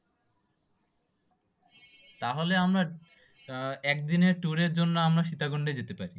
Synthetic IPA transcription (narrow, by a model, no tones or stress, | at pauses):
t̪aɦoleamɾa | ɛk̚d̪ineɾʈuɾeɾd͡ʑonːoamɾaʃit̪aɡoɳɖed͡ʑet̪epaɾi